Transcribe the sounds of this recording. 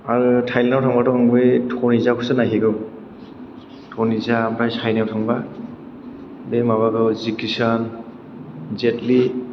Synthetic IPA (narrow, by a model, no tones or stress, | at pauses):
aɹutʰajlɛnɔwtʰɔŋbatɔŋbetʰɔɹnizakʰusɯnaɦiɡɯ | tʰɔnizapɹajsajnawtʰɔŋba | bemaβaɡɯwzikisan | zɛtli